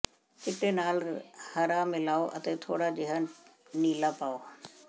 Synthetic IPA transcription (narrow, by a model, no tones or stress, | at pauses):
kɪʈenaːlhɐɾamɪlaːoʔɐt̪et̪ʰoːɽad͡ʒɪɦə | niːlapaːoː